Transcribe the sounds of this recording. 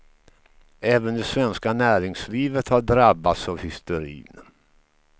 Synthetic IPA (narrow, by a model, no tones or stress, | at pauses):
ɛːvənd̪ɛsvɛnskanæːɾɪŋsliːvət̪haɖɾabːat̪savhɪst̪ʊɾḭːn